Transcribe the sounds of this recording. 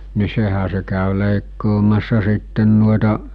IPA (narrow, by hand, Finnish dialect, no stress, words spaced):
ni sehæ se kæˑy leˑikːoːmɑsːɑ sitːen nuoetɑ